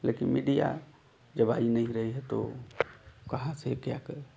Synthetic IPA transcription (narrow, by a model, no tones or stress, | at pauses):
lekinmiɖija̰ | d͡ʒəbainəɦĩɾəɦiɦɛt̪o̰ | kəɦãsekjakəɾ